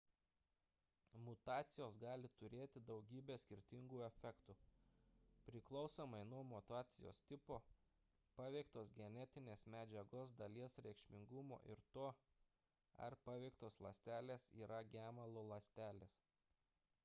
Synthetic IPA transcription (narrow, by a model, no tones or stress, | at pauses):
mʊt̪ɑːt̪sʲɪjoːsɡɑːlʲɪt̪ʊɾʲeːt̪ʲɪd̪ɒʊɡʲiːbʲeːsʲkʲɪɾʲt̪ʲɪŋɡuːɛfʲɛkt̪u | pʲɾʲɪklˠɒʊsoːmɐɪnuɔmʊt̪ɑːt̪sʲɪjo̰ːst̪ʲɪpoː | pɑːʋʲɛɪkt̪oːsɡʲɛnʲɛt̪ʲɪnʲeːsmʲæːd͡ʒʲɛɡoːsd̪ɐlʲiɛsɾʲɛɪkʃʲmʲɪŋɡʊmo̰ːʔɪɾt̪oː | ɐ̰ɾpɑːʋʲɛɪkt̪oːslˠɐsʲt̪ʲæːlʲeːsḭːɾɐɡʲæːmɐlˠoːlˠɐsʲt̪ʲæːlʲeːs